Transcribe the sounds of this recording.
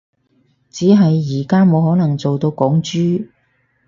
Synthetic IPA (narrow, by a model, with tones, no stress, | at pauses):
t͡siː˨˥ɦɐ˨jːiː˨˩kaː˥mo˨˧whɔː˨˥nɐ˨˩ŋt͡so˨wt̪o˧wkɔː˨˥ŋt͡ʃyː˥